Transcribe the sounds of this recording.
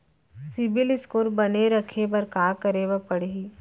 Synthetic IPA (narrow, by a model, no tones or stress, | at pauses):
sɪbɪlɪskoːɾbɐneɾɐkʰepɐɾkaːkəɾeʋapɐɽei